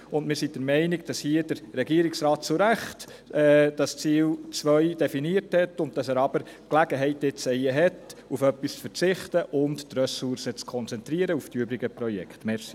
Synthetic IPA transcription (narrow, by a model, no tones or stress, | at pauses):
ʊndmɪɾsidəɾmɛɪnɪɡ̚d̥ɑshiːəd̥əɾɾɛɡiəɾiksɾɑːt̚t͡sʊɾæχt | ɛːd̥ɑst͡siːlt͡sʋœʏd̥ɛfiniəɾthɛtʊnt̚tɑsæːɾɑbəɾ | klæɡ̥əɦɛɪtɪt͡sɛjəɦɛtufœpːist͡sfəɾt͡sɪχtəʔʊnttrøsuɾsət͡skʰɔnt͡sɛnt̪ɾiəɾəuftiøbɾiɡəpɾɔjɛ̰ktmɛɾsi